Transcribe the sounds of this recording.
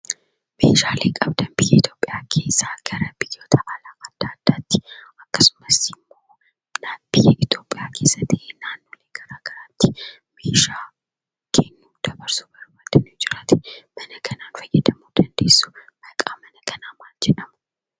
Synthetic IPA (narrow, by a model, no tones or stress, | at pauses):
mḛːʃaːleːkʼɐbd̪ɐmbɪjɛɪt̪jo̞ːpʼːɪjaːkʰeːsːaːɡ̥ɐɾɐb̥ɪjːo̞ːt̪ɐʔɐlaːkɐd̪̥ːaːd̪̥ːaːt̪ːɪ̥ɐkːɐsʊ̥mɐsɪmːo̞ː | nabɪjɛʔɪt̪jo̞ːpʼːɪjaːkʰe̞ːsːɐt̪ːenaːnːoːleːɡ̥ɐɾaːɡɐɾaːt̪ːɪ | meːʃaː | kʰenːuːd̪̥ɐbɐɾsubɐɾbaːt̪ːɐnud͡ʒɪɾɐt̪ɪmɐnɐkʰɐnaːnfɐjːɛd̪ɐmuːd̪̥ɐnd̪e̞̰ːsːʊ̥mɐkʼaːmɐnɐkʰɐnaːmaːld͡ʒɛᶑɐmʊ̥